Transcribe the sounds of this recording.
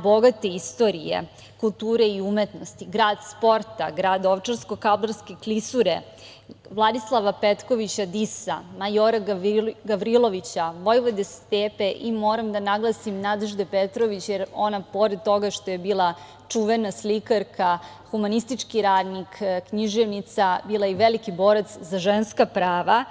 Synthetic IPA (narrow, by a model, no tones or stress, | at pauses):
bo̞ɡat̪e̞ist̪o̞ɾijḛ | kulˠt̪uːɾe̞iumet̪nost̪iɡɾaːd̪spo̞ɾt̪a̰ɡɾaːd̪oʋt͡ʃaɾsko̞kabloɾskeklisuɾe | ʋlˠad̪islˠaʋapet̪ko̞ʋit͡ɕad̪isa̰majoɾaɡabɾilˠo̞ʋit͡ɕaʋo̞jʋod̪est̪eːpe̞ʔimoːɾamd̪anaɡlˠasimnad̪eʒd̪epet̪ɾoʋit͡ɕjeɾo̞napo̞ɾed̪̚t̪o̞ɡaʃt̪ojebiːlˠa | t͡ʂuʋenaslikaɾkʰa | xumanist̪it͡ʂkiɾaːd̪nikkɲiʒeʋnit̪sabiːlˠajiʋelikibo̞ːɾat̪szaʒenskapɾaːʋa